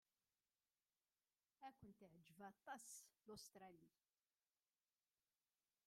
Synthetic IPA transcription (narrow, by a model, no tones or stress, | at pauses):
ækʷʊnt̪iʕd͡ʒvɑt̪ˤːɑslost̪ɾˤɑli